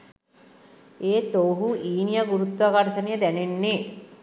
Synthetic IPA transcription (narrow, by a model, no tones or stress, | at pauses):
eːt̪oːɦuʔiːnijaɡuɾut̪ːʋaɡaʈɐsɐnijəd̪ænenːe